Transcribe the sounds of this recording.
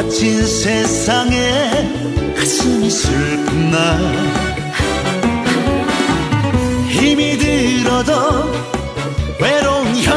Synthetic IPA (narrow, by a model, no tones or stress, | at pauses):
t͡ɕʰinsʰesʰaŋe | kaɕʰimisɯɭpʰunːa | çimidɯɾʌdʌ | weɾoŋçʌ